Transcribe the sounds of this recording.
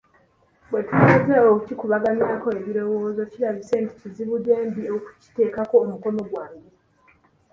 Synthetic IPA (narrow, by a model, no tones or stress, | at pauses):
bwe̞tuezeokucikuβaɡamiɾako̞e̞βiɾo̞wo̞ːzo̞ciɾaβise̞ːnti̥ciziβude̞ːmbioku̥ci̥te̞ːkako̞ːmuko̞no̞ɡwaːɲɟe